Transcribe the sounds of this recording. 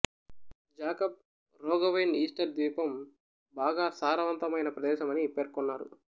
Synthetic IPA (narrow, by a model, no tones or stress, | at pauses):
d͡ʒaːkɐp̚ | ɾɔːɡɐʋejniːsʈɐɾd̪ʋiːpɐm | baːɡaːsaːɾɐʋɐnt̪ɐmɐjnɐpɾɐd̪ɛːʃɐmɐnipeːɾkɔnːaːɾṵ